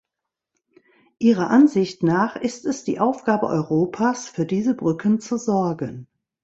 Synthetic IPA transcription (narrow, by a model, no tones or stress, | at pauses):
ʔiːʁ̞ɐʔanzɪçtnaːχʔɪstɛsd̥ḭːʔaʊfɡ̥aːbə̰ʔɔ̰ʏʁoːpʰaːsfyːɐdiːzəbʁʏkʰənt͡suzɔɐɡən